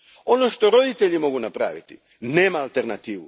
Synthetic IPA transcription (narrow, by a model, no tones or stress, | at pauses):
o̞no̞ʃt̪o̞ɾo̞d̪it̪e̞ʎimo̞ɡunapɾa̰ːʋit̪i | neːmaːlt̪eɾnat̪iːʋu